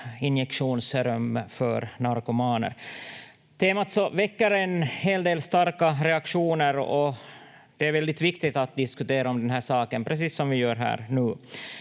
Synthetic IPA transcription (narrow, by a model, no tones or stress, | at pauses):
ɪnjɛkʂuːnsɾœmːfœ̰ɾnaɾkʊmɑːnə̰ɾ | t̪ʰeːmat̪sɔvɛkːəɾɛnheːld̪eːlst̪aɾkaɾɛakʂuːnəɾɔ | d̪̥ɛæɾvɛld̪ɪt̪vɪkt̪ɪt̪at̪̚d̪ɪskʉt̪eːɾaɔmd̪ɛnɦæːʂɑːkənpʰɾɛs̬iːsːɔmvɪjœːɾɦæ̰ːɾnʉː